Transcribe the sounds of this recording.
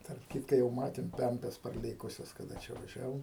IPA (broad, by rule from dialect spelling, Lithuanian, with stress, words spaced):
tɐrp ˈkʲiːtkɐ jɛʊ ˈmɑːtʲeːm ˈpʲɛmʲpʲɛs pɐrʲˈlʲeːkʊsʲɛs kɐˈdɐ t͡ʃʲɛ ʋɐˈʒʲæːʋoːm